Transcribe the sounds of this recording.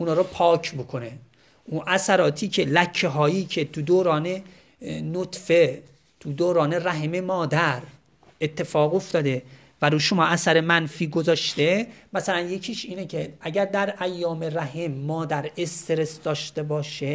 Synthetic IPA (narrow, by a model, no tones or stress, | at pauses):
ʔunɒːɾɔpʰɒːcʰbokʰone | ʔunʔæsæɾɒːt̪ʰiːcʰe̞læcʰːeɦɒːjiːcʰe̞t̪ʰud̪oːɾɒːne | not̪fe | t̪ʰud̪oːɾɒːneræɦememɒːd̪æɾ | et̪ʰːe̞fɒːɣoft̪ɒːd̪e̞ | væɾuːʃomɒːʔæsæɾemænfiːɡozɒːʃt̪emæsælænje̞cʰiːʃiːnecʰeʔæɟæɾd̪æɾæjːɒːmeɾæɦemːɒːd̪æɾe̞st̪eɾe̞sd̪ɒːʃt̪e̞bɒːʃe